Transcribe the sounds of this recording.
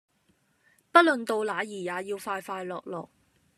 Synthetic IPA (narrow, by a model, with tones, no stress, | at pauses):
pɐ˥lɵ˨nt̪o˧wlaː˨˧jiː˨˩jaː˨jiː˧wfaː˧jfaː˧jlɔː˨k̚lɔ̰ː˨k̚